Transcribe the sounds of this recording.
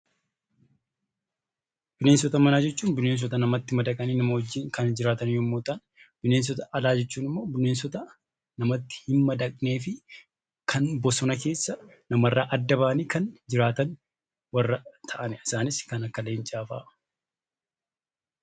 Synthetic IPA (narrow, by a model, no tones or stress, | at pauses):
bɪneːns̬ɔt̪ɐmɐnaːd͡ʒɛt͡ʃːuːnbɪne̞ːns̬ɔt̪ɐnɐmɐt̪ːɪmɐd̪ɐkʼɐniːnɐmɐhɔd͡ʒːiːŋkɐnd͡ʒɪɾaːt̪ɐnjɔmːoːt̪ʼɐn | b̥ɪneːns̬ɔt̪ɐʔɐlaːd͡ʒɛt͡ʃːuːnɪmːo̞ːbɪneːnsɔt̪ɐ | nɐmɐt̪ːɪ̥hɪnmɐd̪ɐkʼne̞ːfɪ | kʰɐnbɔsɔnɐke̞ːsːɐ | nɐmɐrːaːʔɐd̪ːɐbaːɐniːkɐnd͡ʒɪɾaːt̪ɐn | wɐrːɐt̪ʰɐʔɐnɛɪsaːnɪskɐnɐkːɐleːɪnt͡ʃʼaːfa̰ː